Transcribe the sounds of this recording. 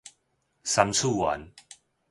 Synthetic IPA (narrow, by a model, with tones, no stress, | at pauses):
sa˧mt͡sʰu˥˧˨wa̰˨˦n